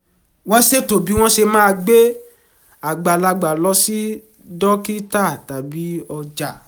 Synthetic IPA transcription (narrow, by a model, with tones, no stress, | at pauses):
wɔ̃˦se˦to˨bi˨˦w̃ɔ̃˦ʃe˧mãː˦˧ɡ͡be˦ | a˨ɡ͡ba˨la˧ɡ͡ba˨lɔ˧˦si˦ | dɔ˦ki˦ta˦˨ta˨bi˨˦ɔ˧d͡ʒa˨